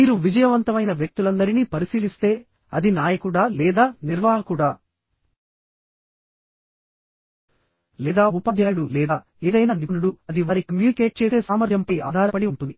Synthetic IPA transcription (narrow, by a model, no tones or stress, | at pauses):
iːɾuʋid͡ʒɐjɐʋɐnt̪ɐmɐjnɐʋjɐk̚t̪ulɐnd̪ɐɾiniːpɐɾisiːlist̪e̞ː | ɐd̪inaːjɐkuɽaːlɛːd̪aːniɾʋaːɦɐkuɽaː | lɛːd̪aːupɐd̪ʱjaːɽulɛːd̪aː | eːd̪ɐjnaːninuɽuɐd̪iʋaːɾikɐmjuːnike̞ːʈ̚t͡ʃe̞ːse̞ːsaːmɐɾjɐmpɐja̰ːd̪ʱaːɾɐpɐɽiuɳʈund̪i